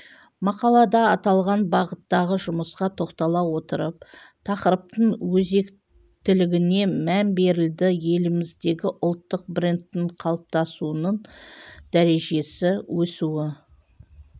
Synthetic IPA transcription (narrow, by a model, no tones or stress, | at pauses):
mɑqɑlˠɑd̪ɑɑt̪ɑlˠʁɑnbɑʁət̪ːɑʁəʒʊməsqɑt̪ʰo̞qt̪ɑlˠɑwo̞t̪əɾəp̚t̪ʰɑqəɾəp̚t̪əɴwɵze̞k | t̪ɪlɪɡʲɪne̞mænbe̞ɾɪld̪ɪje̞lɪmɪzd̪e̞ɡʲɪʔʊlˠt̪ːəq̚brent̪ːɪɴqʰɑlˠəp̚t̪ɑsuənəɴd̪̥æɾe̞ʒe̞sɪwɵsuwɪ